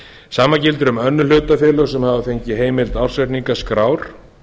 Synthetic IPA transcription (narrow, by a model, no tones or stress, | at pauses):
saːmacɪlt̪ʏɾʏmœnːʏlʏːt̪afjɛːlœsɛmhavaθejɲcɪɦeːjmɪlt̪awr̥svɛt̪niŋkaskɾaːwɾ̥